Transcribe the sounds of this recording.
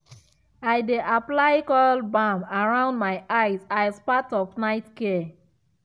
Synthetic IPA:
ajdeʔaplaɪkɔlbãmaɹãʊ̃ndmaɪʔaɪzaɪspatɔfnaɪtkea

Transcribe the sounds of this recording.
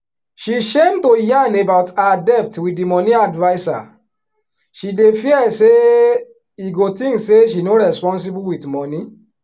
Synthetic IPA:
ʃiʃẽmtojãnebaʊtaadɛp̚twidimɔnĩadvaɪsa̰ | ʃidefiɛse | iɡotĩŋkseʃ̬inoɹɛspɔ̃ns̬ibuwitmɔni

